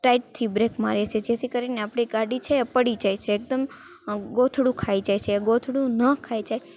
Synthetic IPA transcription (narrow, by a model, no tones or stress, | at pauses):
ʈaiʈ̚t̪ʰibɾekmaɾet͡ʃʰed͡ʒet̪ʰikəɾineapɽ̃iɡaɖit͡ʃʰepəɽid͡ʒajt͡ʃʰeːk̚d̪əm | ɡot̪ʰɽũkʰaid͡ʒajt͡ʃʰeɡot̪ʰɽũnəkʰajd͡ʒaj